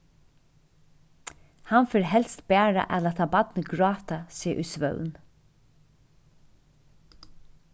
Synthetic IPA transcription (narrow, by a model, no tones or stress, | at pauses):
hanfɪɹɦɛlst̪bæːɹa̰ʔɛːlat̪ʰɑːbɑt̪nəɡɹɑːt̪asiːə̰ʔʉsʋœ̰ʉn